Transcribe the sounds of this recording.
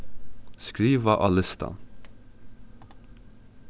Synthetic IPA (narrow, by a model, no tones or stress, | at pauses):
skɾiːʋəʔɑlɪst̪ʰɑ̰n